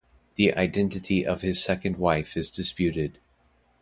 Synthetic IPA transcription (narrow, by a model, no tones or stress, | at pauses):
ðiʔa̰ɪdɛ̃ntɨɾʰiʔʌv̥ɨz̥sɛkɨ̃n̩d̚waɪfɨzdɨspjʉɾɪd̥̚